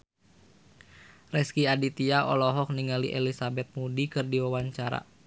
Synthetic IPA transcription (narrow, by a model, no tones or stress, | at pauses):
rɛskiadit̪iaʔɔ̰lɔɦɔk̚niŋalḭʔɛlisabɛt̪̚mudikɨrdiwawaɲt͡ʃaɾa̰